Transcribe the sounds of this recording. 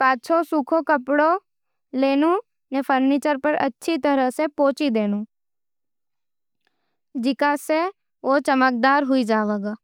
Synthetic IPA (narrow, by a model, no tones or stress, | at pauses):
pãːt͡ʃʰosukʰokəpɽo | leːnũ | nepʰəɾnit͡ʃəɾpəɾə̰tːʃʰit̪əɾəsepoːt͡ʃid̪eːnũ | d͡ʒɪkase | ot͡ʃəmək̚d̪aːɾɦuid͡ʒaːʋəɡa